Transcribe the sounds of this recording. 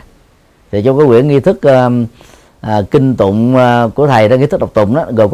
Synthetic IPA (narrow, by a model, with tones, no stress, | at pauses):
t̪ʰi˨˩t͡ɕɔ˧ŋ͡mkaː˨˦jwḭ˧˨ənŋi˧t̪ʰɨ˦˥k̚ː | ʔːkï˧ŋ̟t̪ʊ̰˧˨ŋ͡mku˧˩ət̪ʰə˨˩jɗaː˧˦ŋ˧t̪ɨ˦˥k̚ɗk͡p̚t̪ʊ̰˧˨ŋ͡mʔaː˨˦ɣəː˨˩kw